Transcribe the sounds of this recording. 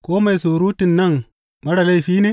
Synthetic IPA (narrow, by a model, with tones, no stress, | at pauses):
koː˦ma˨jsu˨ɾu˦ti˨nːɐ˦˨ŋ | mɐ˦ɽa˨la˦jfiː˦ne˦